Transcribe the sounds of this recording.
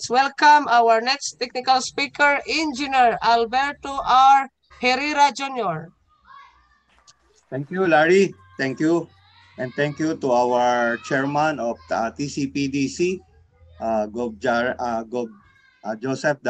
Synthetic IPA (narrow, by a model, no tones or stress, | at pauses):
swɛlkãmawəɹnɛkst̪ɛk̚nɪkalspikɛɹĩnd͡ʒɪnɛɹalbɛɹt̪oʔaɹ | hɛɾiɾad͡ʒunjɔɹ | t̪ɛ̃ŋkjulaɹi | t̪ɛ̃ŋkju | ʔɛ̃n̚t̪ɛ̃ŋkjut̪uawəɹt͡ʃɛɹmãnɔfat̪isipid̪isi | ʔaɡob̚d͡ʒɡob̚ | d͡ʒosɛf̚d̪